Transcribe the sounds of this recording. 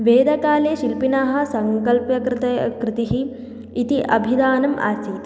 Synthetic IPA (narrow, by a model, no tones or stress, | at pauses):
ʋeːd̪ʱɐkaːleːʃilpinaːɦɐ̆sɐŋkɐlpjɐkɾt̪ɐkɾɪt̪iɦiː | t̪iʔɐbʱid̪aːnɐma̰ːsiːt̪